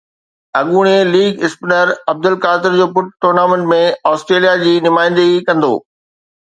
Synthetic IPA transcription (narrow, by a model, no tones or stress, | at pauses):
ɐɠuːɽ̃eliːɡɪspɪnəɾɐb̚d̪ʊlkaːt̪ɪɾd͡ʑoːpʊʈ̚ʈʊɾnaːmẽɳʈmẽɔːsʈɾeːlijad͡ʑiːnʊmaːɪ̃nd̪əɡikɐ̃nd̪o̰ː